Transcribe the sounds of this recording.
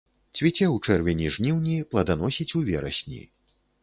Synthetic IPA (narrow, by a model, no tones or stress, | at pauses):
t͡sʲvʲit͡sʲɛwt͡ʂɛrvʲɛnʲiʐnʲiwnʲiplˠɐd̪anɔsʲit͡sʲuvʲɛɾɐsʲnʲḭ